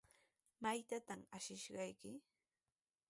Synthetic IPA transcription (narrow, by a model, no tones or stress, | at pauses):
majt̪at̪amaʃɪʃɢɑjkɪ